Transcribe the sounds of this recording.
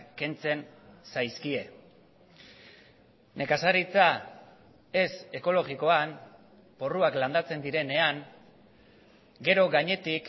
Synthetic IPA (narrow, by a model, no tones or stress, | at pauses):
ke̞nt͡se̞nsajskie̞ | ne̞kasaɾit͡sa | e̞se̞ko̞lo̞ɣiko̞an | po̞ruakland̪at͡se̞nd̪iɾe̞ne̞aŋ | ɡe̞ɾo̞ɣaɲe̞t̪ik